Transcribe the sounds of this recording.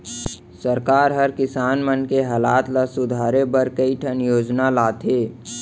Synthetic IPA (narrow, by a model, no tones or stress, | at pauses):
səɾkaːɾɦəɾkɪsaːnmənkeɦaːlaːt̪lasʊd̪ʱaːɾebəɾkəiʈʰənjoːd͡ʒnalaːt̪ʰeː